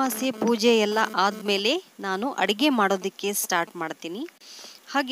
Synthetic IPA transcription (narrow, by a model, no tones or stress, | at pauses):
aːsepuːd͡ʒɛjɛlːɐ̰ʔaːd̪me̞ːle̞naːnuʔɐ̰ɽiɡe̞maːɽo̞ːd̪ɐkːe̞sʈaːɾʈmaːɽt̪iːnihaːɡ